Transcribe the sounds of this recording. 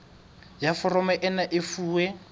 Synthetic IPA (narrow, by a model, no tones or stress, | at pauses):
jafɔrɔmɛʔɛnaʔɪfuːwɛ